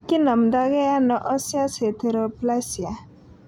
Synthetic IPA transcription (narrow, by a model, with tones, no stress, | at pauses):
ki˦nə˨md̪a˦ɡe˦ja˦nɔ˨ʔɔ˦sja˦se˨t̪ʰe˨ɾɔpla˦sja˨